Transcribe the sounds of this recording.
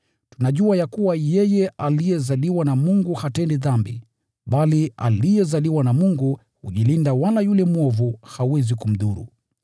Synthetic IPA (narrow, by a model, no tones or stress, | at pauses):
tunaʄuajakuwajɛjɛʔalijɛzaliwanamuŋɡuhatɛndiðambḭ | ɓalia̰lijɛzaliwanamuŋɡu | huʄilindawalajulɛmuɔvuhauwɛzikum̩ðuɾṵ